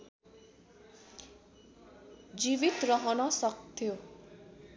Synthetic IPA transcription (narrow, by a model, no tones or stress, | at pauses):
d͡ʒiβit̪ɾɔɦɔnʌsʌkt̪ʰjo